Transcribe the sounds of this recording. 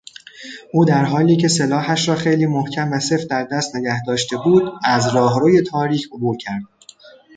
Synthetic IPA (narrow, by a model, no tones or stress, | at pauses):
ʔuːd̪æɾɦɒːliːcʰe̞selɒːɦæʃɾɒːxe̞jliːmohcʰæmvæse̞fd̪æɾd̪æst̪ne̞ɟæhd̪ɒːʃt̪e̞buːd̪æzɾɒːɦɾoːje̞t̪ʰɒːɾiːcʰo̞buːɾcʰæɾd̪̥